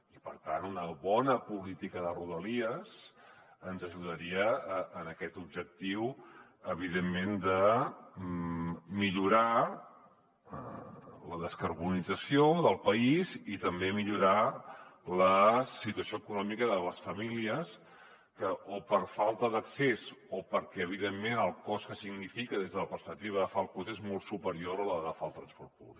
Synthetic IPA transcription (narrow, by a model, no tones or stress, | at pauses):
ipəɾt̪a̰nunəβɔnəpulit̪ikəðəruðəliəsənzəʒuðəɾiəəːnəkɛt̪ubʒək̚t̪iw | əβ̞iðemːend̪ə | miʎuɾa | ləðəskəɾβunid͡zəsioðəlˠpəizit̪əmbemiʎuɾa | ləsit̪uəsioəkunɔmikəðələsfəmiliəs | kəʔopəɾfalˠt̪əðəksezopəɾkɛəβ̞iðemːenəlˠkɔskəsiɡnifikəðezðələpəɾspək̚t̪iβəəfalˠkɔzezmɔlˠt̪supəɾioɾələðəfalˠt̪ɾənspɔɾt̪̚pṵβlik